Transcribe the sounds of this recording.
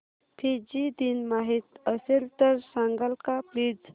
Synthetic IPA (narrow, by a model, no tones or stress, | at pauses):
pʰid͡ʑid̪inmaɦit̪əselt̪əɾsãŋɡəlkaplid͡z